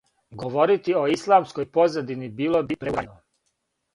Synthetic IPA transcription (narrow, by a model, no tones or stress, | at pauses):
ɡo̞ʋo̞ɾit̪io̞islˠaːmsko̞jpo̞zad̪inibiːlˠo̞bipɾeano